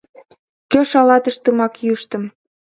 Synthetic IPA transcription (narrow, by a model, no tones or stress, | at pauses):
køʃɑlɑt̪əʃt̪əmɑkjyʃt̪ə̆m